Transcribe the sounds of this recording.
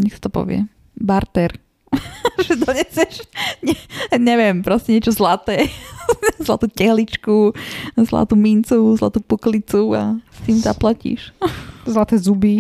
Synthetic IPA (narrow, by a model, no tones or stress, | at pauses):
ɲɛxsḁt̪ɔpɔ̰ʋɪɛ̰ | baɾt̪ɛɾ | ʒɛd̪ɔɲɛsɪɛʃɲɛɲɛʋɪɛmpɾɔscɛɲɪɛt͡ʃɔzlat̪ɛː | zla̰t̪uːcɛɦlit͡ʃkuzla̰t̪uːmint͡suzla̰t̪uːpuklit͡sua̰st̪iːmza̰placḭʃzlat̪ɛzubi